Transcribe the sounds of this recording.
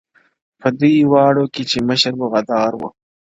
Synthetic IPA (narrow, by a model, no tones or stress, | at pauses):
pəd̪ujwɑːɽoket͡ʃeməʃəɾbəɣad̪ɑːɾwṵ